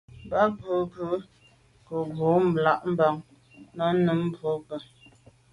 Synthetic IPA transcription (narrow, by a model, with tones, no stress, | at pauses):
ba˦bə˨˦bə˨˦ | kə˨bo˨˦m̩˨bla˦ʔm̩˦ba˨ŋ | nə˦nə˨˦m˦bo˨˦pə˨